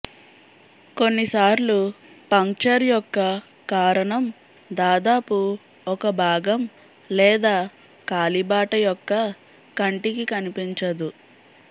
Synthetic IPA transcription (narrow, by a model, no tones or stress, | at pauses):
ko̞nːisaːɾlu | pɐŋk̚t͡ʃɐɾjɔkːɐ | kaːɾɐɳɐm | d̪aːd̪aːpu | ɔkɐbʱaːɡɐm | lɛːd̪aː | kaːlibaːʈɐjɔkːɐ | kɐɳʈikikɐnipiɲt͡ʃɐd̪u